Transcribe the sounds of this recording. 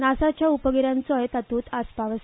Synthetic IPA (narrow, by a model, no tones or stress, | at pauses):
nasat͡ɕjaupəɡiɾjãnt͡sɔjt̪at̪uːt̪ʰaspaʋəs